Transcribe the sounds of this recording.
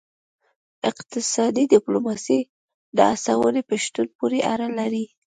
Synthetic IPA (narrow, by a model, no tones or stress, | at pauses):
ɪqt̪ɪsɑd̪id̪ɪplomɑsi | d̪əasawənepəʃt̪unpoɾeʔaɾalaɾi